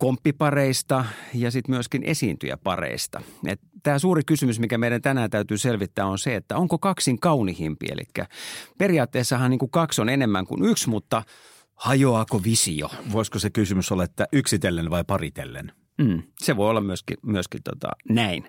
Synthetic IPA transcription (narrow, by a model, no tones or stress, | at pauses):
kompːipɑreist̪ɑjɑsit̪myøskinʔḛsiːnt̪y̰jæ̰pɑ̰rḛist̪ɑ̰ḛt̪t̪æːsuːrikysymysmikæmeiɾænt̪ænæːt̪æyt̪yːselʋit̪ːæːonseet̪ːæoŋkokɑksiŋkɑunihimpḭḛlʔḭkːæ̰periɑːt̪ːeːsːɑhɑnniːŋkukɑksonenemːæŋkṵnyksmut̪ːɑ | hɑjoɑːkoʋisio̰ʋoiskosekysymysolːɑet̪ːæʔyksit̪elːenʋɑipɑrit̪ḛlːḛn | m̩ːseʋoiolːɑmmyøskḭmyøskint̪o̰t̪ɑ̰næin